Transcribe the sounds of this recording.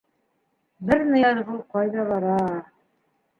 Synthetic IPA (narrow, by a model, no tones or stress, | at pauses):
bɘɾnɤ̆jɑɾβɤlˠqɑjðɑβɑɾɑ